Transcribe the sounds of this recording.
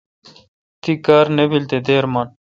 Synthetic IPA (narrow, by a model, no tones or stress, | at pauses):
t̪ikaːɾnebilt̪ed̪eːɾmaːn